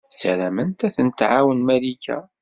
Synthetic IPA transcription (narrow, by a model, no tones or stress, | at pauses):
sælæmənt̪æθənt̪ʕawənmælikæ̰